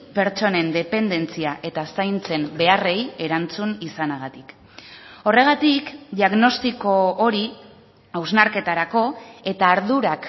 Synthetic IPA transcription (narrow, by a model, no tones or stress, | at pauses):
pe̞ɾt͡ʃo̞ne̞nd̪e̞pe̞nd̪e̞nt͡siaʔe̞t̪asajnt͡se̞mbe̞are̞je̞ɾant͡sunisanaɣ̞at̪ik | o̞re̞ɣ̞at̪ikd̪iaɣno̞st̪iko̞ːɾi | awznaɾke̞t̪aɾako̞e̞t̪aːɾðuɾak